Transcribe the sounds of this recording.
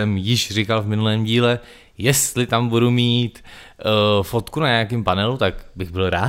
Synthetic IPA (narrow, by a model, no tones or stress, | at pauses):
ɛmjɪʃr̝ɪkalvmɪnulɛːmɟiːlɛ | jɛst̪lɪt̪ambudumiːt̪ | fo̞t̪kunaɲɛakɪmpanɛlut̪akbɪɣbɪlɾaː